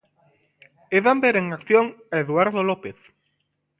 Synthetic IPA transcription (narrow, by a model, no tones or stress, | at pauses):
eðambeɾeŋakθjoŋeðwaɾðolopeθ